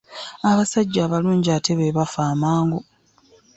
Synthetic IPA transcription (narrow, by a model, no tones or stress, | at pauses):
aβasaɟːaːβaluːɲɟiaːte̞βeβafaːmaːŋɡu